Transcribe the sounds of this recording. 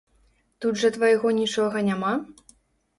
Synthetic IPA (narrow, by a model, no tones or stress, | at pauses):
t̪ud̪ʐɐt̪vɐjɣɔnʲit͡ʂɔɣɐnʲama